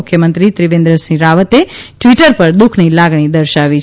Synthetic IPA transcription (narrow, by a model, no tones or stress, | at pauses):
ʊkʰjəmə̃nt̪ɾit̪ɾiʋẽnd̪ɾəsĩɾaʋət̪eʈʋiʈəɾpəɾd̪ukʰnilaɡɳ̃id̪əɾʃaʋi